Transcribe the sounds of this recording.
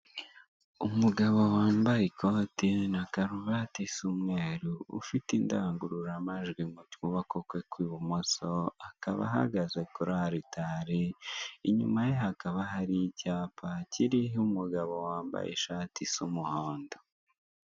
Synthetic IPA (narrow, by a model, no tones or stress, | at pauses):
umuɡaβowaːmbajikʰotinakaɾuβatisumŋeːɾuṵfitindaŋɡuɾuɾamaʒɡwimutkuβakokwekwiːβumosoaka̰βa̰ɦa̰ɡazekuɾaɾitaɾeiɲumajeɦakaβaɦaɾijicaːpaciɾiɦumuɡaβo̞waːmba̰jʔḛʃaːtisumuhoːndo